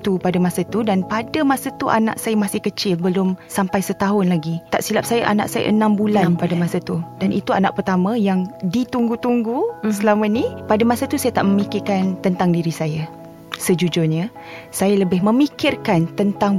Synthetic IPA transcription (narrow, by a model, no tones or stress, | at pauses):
t̪upadəmasat̪udanpadəmasat̪uʔa̰na̰ʔsajamasɪhkət͡ʃɪlbəlʊmsampajsət̪aɦʊnlaɡit̪a̰ʔsilap̚sajaʔa̰na̰ʔsaja̰ʔə̰nãmbulanpadəmasat̪udanʔit̪uana̰ʔpərt̪amə̃jaŋdit̪uŋɡut̪uŋɡusəlamənipadamasat̪usajat̪aʔməmikɪrkant̪ənt̪aŋdiɾisajə | səd͡ʒud͡ʒʊrɲə | sajaləbɪɦmə̃mikɪrkant̪ənt̪aŋ